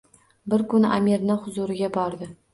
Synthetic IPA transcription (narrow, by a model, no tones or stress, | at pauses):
bɪɾkʊna̰meɾnahʊzuɾɪɡʲabɒɾd̪ɪ